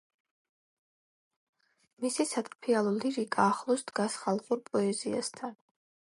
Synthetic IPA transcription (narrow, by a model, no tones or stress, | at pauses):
misisat̪ʼpʰialˠɔliɾikʼaːχlˠɔsd̪ɡasχalˠχuɾpʼɔɛzia̰st̪ʰan